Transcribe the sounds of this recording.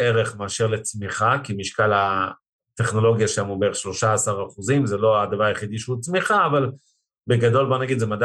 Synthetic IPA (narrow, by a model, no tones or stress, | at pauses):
eʁe̞χmaːʃe̞ʁle̞t͡smiχakimiʃkala | t̪e̞χno̞lo̞ɡjaʃamubeeeχʃlo̞ʃaːsaʁaχuzimzelo̞ad̪avaʁjeχid̪iʃeut͡smiχaːval | beɡad̪o̞lbonaɡid̪zemad̪